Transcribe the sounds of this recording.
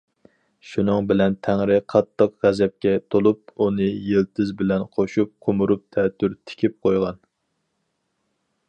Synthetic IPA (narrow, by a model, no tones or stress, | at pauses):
ʃunɨŋbɪlɛnt̪ʰæŋɾɪqʰɑt̪ʰːəqʁæzɛp̚kʲɛt̪ʰolˠup̚unɨjelt̪ʰɪzbɪlɛnqʰoʃup̚qʰomuɾup̚t̪ʰɛt̪ʰːyɾt̪ʰɪ̥kʲʰip̚qʰojʁɑn